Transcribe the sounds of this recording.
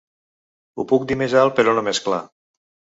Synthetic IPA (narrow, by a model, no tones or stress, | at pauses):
upuk̚d̪imezalˠpeɾɔnomeskla̰